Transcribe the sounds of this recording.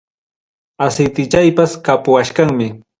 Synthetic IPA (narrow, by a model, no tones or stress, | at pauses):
asɪjt̪ɪt͡ʃajpaskapʊwaʃkaŋmɪ